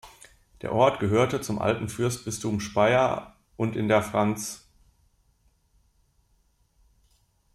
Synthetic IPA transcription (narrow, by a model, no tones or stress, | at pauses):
d̥eːɐʔɔɐtɡ̥əɦøːɐtət͡sʊmʔa̰ltn̩fʏɐstb̥ɪstʰumʃpaɪɐ | ʔʊntɪndeːɐfʁ̥ant͡s